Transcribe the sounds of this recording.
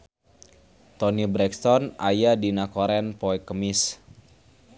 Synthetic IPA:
t̪ɔnibɾɛkst̪ɔnʔajadinakɔɾɛnpɔɛkəmis

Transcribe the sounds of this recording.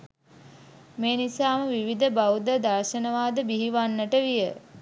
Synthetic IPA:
meːnisaːməʋiʋid̪əbawd̪əd̪aɾʃənəʋaːd̪əbiɦiʋanːəʈəʋijə

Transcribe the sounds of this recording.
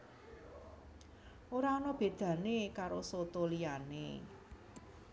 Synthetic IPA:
oɾaonɔb̥e̤d̪̥ä̤nekaɾosot̪olijanḛ

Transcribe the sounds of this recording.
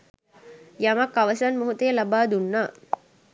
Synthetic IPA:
jɐmɐkːɐʋɐsɐnmuɦut̪ejɐlɐbaːd̪unːa

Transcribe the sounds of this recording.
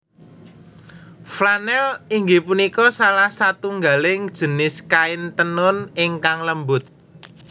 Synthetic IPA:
flanɛliŋɡipunikɔsalahsat̪uŋɡalɪŋd̥ʒ̥ə̤nɪskaɪnt̪ənʊnɪŋkaŋləmbʊt̪̚

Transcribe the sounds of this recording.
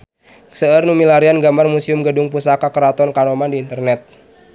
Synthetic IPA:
səərnumilaɾianɡambarmusiʊmɡədʊŋpusakakəɾat̪ɔnkanɔmandiːnt̪ərnɛt̪̚

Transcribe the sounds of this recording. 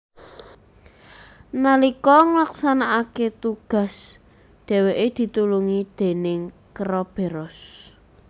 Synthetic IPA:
nalikɔŋlaksanaʔaket̪uɡ̥a̤s | d̪̥ɛ̤weʔed̪̥i̤t̪uluŋid̪̥e̤nɪŋkəɾɔb̥e̤ɾɔs

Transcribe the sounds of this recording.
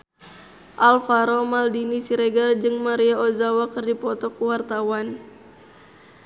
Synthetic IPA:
ʔalfaɾɔmaldinisiɾeɡard͡ʒɨŋmaɾiaozawakərdipɔt̪ɔkuwart̪awan

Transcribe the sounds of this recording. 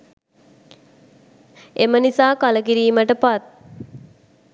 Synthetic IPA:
emənisaːkaləkiɾiːməʈəpat̪̚

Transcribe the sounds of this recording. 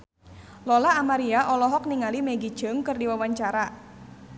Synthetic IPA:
lɔlaːmaɾiaʔɔlɔɦɔk̚niŋalimɛɡi̥d͡ʒ̥əŋkɨrdiwawaɲt͡ʃaɾa

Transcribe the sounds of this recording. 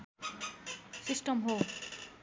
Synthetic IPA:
sisʈʰɔmɦo

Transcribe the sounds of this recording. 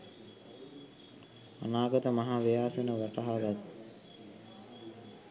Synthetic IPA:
a̰naːɡət̪əmaɦaːʋijaːsənəʋaʈaɦaɡat̪

